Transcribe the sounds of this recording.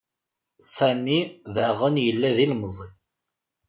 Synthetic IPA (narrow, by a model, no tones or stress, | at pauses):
sæmiðəʁənjəlːæðilməzˤi